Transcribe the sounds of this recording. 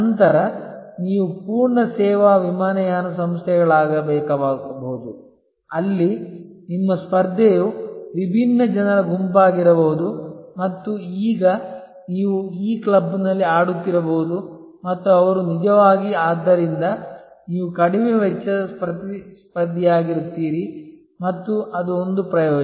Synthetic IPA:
ɐnt̪ɐɾɐniːʋupuːɾɳɐsɛːʋaːʋimaːnɐjaːnɐsɐmst̪ʰɛɡɐɭaːɡɐbɛːkɐboud̪u | ɐlːi | nimːɐspɐɾd̪ʱːejuʋibʱinːɐd͡ʒɐnɐɾɐɡumpaːɡiɾɐboɦud̪umɐt̪ːuiːɡɐ | niːʋuiːklɐbːinɐlːiaːɽut̪ːiɾɐboɦud̪u | mɐt̪ːuɐʋɐɾunid͡ʒɐʋaːɡiaːd̪ːɐɾind̪ɐ | niːʋukɐɽimɛʋɛt͡ʃːɐɐspɾɐt̪ispɐɾd̪ʱːɛjaːɡiɾut̪ːiːɾi | mɐt̪ːuɐd̪uond̪upɾɐjoː

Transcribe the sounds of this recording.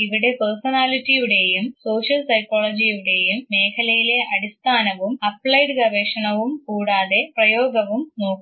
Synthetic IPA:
iʋiɽe̞pɐrsɐnaːlitːijuɽe̞jumso̞ːɕɐlsɐjkːoːɭɐd͡ʑijuɽe̞jumːe̞ːkʰɐlɐjile̞ʔɐɽist̪ʰaːnɐʋumɐpɭɐjɖɨɡɐrʋeːʂɐɳɐʋumkuːɽaːðe̞prɐjo̞ːɡɐʋumno̞ːkːu

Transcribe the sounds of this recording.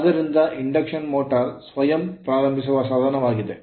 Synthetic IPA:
ɐðiɾind̪ɐʔiɳɖɐkʂɐnmoːʈːɐrsʋɐjɐmpɾaːɾɐmbʱis̬uɣɐsaːd̪ʱɐnɐmaːɣiðḛ

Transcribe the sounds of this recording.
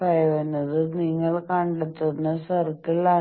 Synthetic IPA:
bɐjɐʋenːɐðɨniŋːɐɭkɐɳɖet̪ːunːɐsɐrt̪ːiɭa

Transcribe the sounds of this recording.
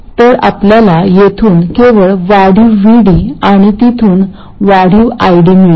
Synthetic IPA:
t̪əɾa̰pljalajet̪ʰuːnkeʋəɭʋaɽ̤iʋiɽiaɽ̃it̪it̪ʰuːn | ʋaɽ̤iwajɽimiɭ

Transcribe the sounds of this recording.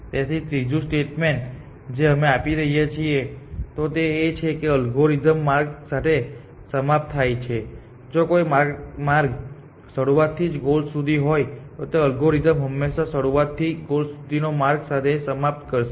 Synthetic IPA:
t̪jat̪ʰit̪ɾid͡ʒũsʈeʈmeɳʈ | d͡ʒeəmeapiɾəɦijet͡ʃʰiet̪ot̪eːt͡ʃʰekeəlɡoɾid̪əmːaɾɡsat̪ʰe | səmap̚t̪ʰːajt͡ʃʰe | d͡ʒokojmaɾɡmaɾɡ | səɽuʋat̪ʰːid͡ʒɡolsud̪ʱiɦojt̪ot̪eəlɡoɾid̪əmɦəmːeʃasəɽuat̪ʰːiɡolsud̪ʱinomaɾɡsat̪ʰesəmap̚t̪kəɾʃe

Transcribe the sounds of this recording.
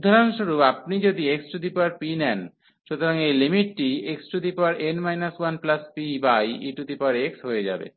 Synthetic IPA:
ud̪ʱaɾonʃuɾupap̚nid͡ʑod̪ieksʈud̪ipaɾpinɛn | ʃut̪oɾaŋejlimiʈːieksʈud̪ipaɾenmajnaswanplaspibajiʈud̪ipaɾeksɦoed͡ʑa̰bḛ

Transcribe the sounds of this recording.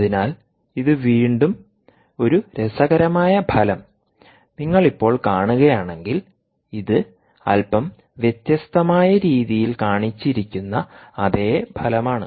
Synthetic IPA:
ðinaːl | iðɨʋiːɳɖum | o̞ɾuɾe̞sɐɣɐɾɐmaːjɐbʱɐlɐm | niŋːɐɭipːo̞ːɭkaːɳuɣɐjaːɳe̞ŋɡil | iðɨ | ɐ̰lpɐm | ʋjet̪jɐst̪ɐmaːjɐɾiːðijilkaːɳit͡ɕːiɾikʲːunːɐːðe̞ːbʱɐlɐmaːɳɨ̰

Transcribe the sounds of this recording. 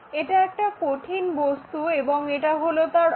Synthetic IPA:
eʈaɛk̚ʈakoʈʰinbost̪uebɔŋeʈaɦolot̪aɾ

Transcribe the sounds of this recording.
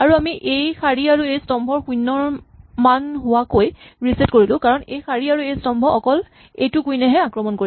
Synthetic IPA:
aɹuamiʔejxaɹiaɹuejstɔmbʱɔɹxujnːɔɹmanɦʊwakojɹisetkoɹilʊ̃kaɹɔnejxaɹiaɹuejstɔmbʱɔɔkɔl | ejtʊkujnɛɦɛakɹɔmɔnkoɹi

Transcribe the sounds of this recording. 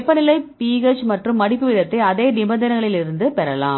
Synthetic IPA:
pːɐnɪlɐɪpiːɣɐt͡ʃmɐʈrɯmːɐɽɪpːɯʋɪðɐt̪ːɐɪɐðeːnɪbɐnd̪ɐnɐŋɡɐɭɪlɪɾɯnd̪ɯpɛɾɐlaːm

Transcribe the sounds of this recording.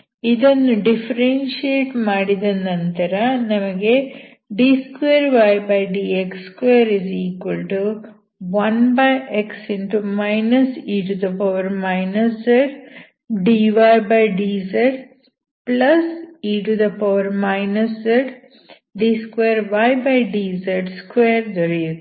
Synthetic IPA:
id̪ɐnːuɖifɐɾenʃieːʈmaːɽid̪ɐnɐnt̪ɐɾɐnɐmɐɡe | ɖiːskʋeɾʋajbɐjɖiːekskʋejɐɾiziːkʋɐlʈu | ʋɐnbɐjeksinʈ̪umɐjnɐsiːʈud̪ɐpɐʋɐɾmaɪnɐszeɖ | ɖiːʋajbɐjɖiːzɐɾɖ | plɐsiːʈud̪ɐpɐʋɐɾmaɐɪnɐszɐɖ | ɖiːskʋeːɾʋajbajɖiːzɐɾʈskʋeːɾd̪ɐɾi

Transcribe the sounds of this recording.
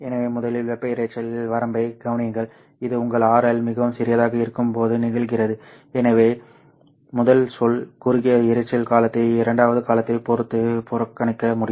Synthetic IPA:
ɛnɐʋeːmʊðɐlɪlʋɛpːɐɪɾɐt͡ʃːɐlɪlʋɐɾɐmbɐɪɡɐʋɐnɪjɐŋɡɐɭ | ɪðɯʊŋɡɐɭaːɾɐlmɪɣɐʋɯmsɪɾɪjɐðaːɣɐɪɾɯkːɯmpoːðɯnɪɣɐɭɣɪrɐðɯ | ɛnɐʋeː | mʊðɐlsɔlkʊɾɪɣɪjɐɪɾɐɪt͡ʃːɐlkaːlɐt̪ːɐɪɪɾɐɳɖaːʋɐðɯkaːlɐt̪ːɐɪpɔɾɯt̪ːɯpʊɾɐkːɐɳɪkːɐmʊɽɪj

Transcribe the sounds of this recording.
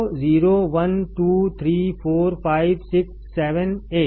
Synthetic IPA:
ziːɾoːʋɐnʈuːt̪ʰɾiːpʰoːɾpaːɪʋsɪksːɛːʋəneː

